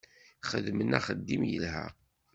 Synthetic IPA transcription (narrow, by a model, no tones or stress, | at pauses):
χəðmənæχəd̪ːimjə̰lɦæ̰